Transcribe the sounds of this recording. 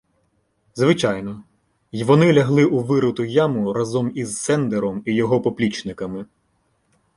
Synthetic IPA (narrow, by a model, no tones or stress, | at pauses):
zʋɪt͡ʃɑjnɔ | ʋɔnɪlʲɐɦlˠɪʔuʋɪɾʊt̪ʊjɑmʊɾɐzɔmizsɛnd̪eɾɔmijɔɦɔpɔplʲit͡ʃnɪkɐmɪ